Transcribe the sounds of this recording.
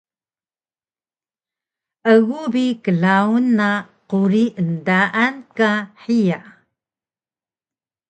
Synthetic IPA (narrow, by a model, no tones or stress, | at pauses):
ʔəɣubikəɮaunːa | quɾiʔəndaʔankaħija